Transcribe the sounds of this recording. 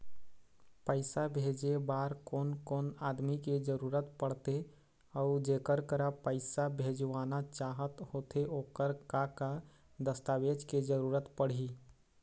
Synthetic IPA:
pəɪsabʱed͡ʒebaːɾkoːnkoːnaːd̪miked͡ʒəɾuɾət̪pəɽ̤t̪e | əʊd͡ʒekəɾkəɾapəɪsabʱed͡ʒʋaːnat͡ʃaːɦət̪hoːt̪ʰeoːkəɾkaka | d̪əst̪aʋed͡ʒked͡ʒəɾuːɾət̪pəɽ̤i

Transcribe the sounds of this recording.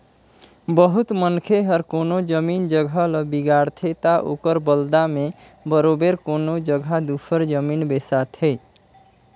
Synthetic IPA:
bəɦut̪mənkʰeɦəɾkonod͡ʒəmind͡ʒəɡʱələbiɡaɽt̪ʰet̪aʔo̰kəɾbəld̪ame | bəɾobeɾkonod͡ʒəɡʱad̪upʰəɾd͡ʒəminbesat̪ʰe

